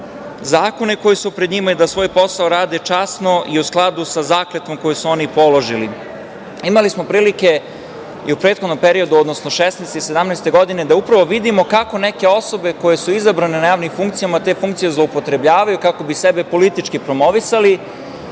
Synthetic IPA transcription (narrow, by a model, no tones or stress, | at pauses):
zaːko̞niko̞jisupɾed̪ɲimaid̪asʋo̞ːjpo̞saoɾaːd̪e̞t͡ʃasno̞ʔiusklˠad̪usazaːklet̪o̞mko̞jisuo̞nipo̞lo̞ʒili | imalismo̞pɾiːlike̞ | iupɾet̪xod̪nompe̞ɾio̞d̪uod̪no̞sno̞ʃesnɛst̪ise̞d̪amnɛːst̪e̞ɡo̞d̪ine̞d̪aupɾaʋoʋid̪imo̞kako̞ne̞ke̞o̞so̞be̞ko̞je̞suizabɾanenajaːʋnimfuŋkt̪sijamat̪e̞ːfuŋkt̪sijezlˠoupo̞t̪ɾe̞bʎaːʋajukako̞bisebe̞po̞lit̪it͡ʃkipɾo̞mo̞ʋisali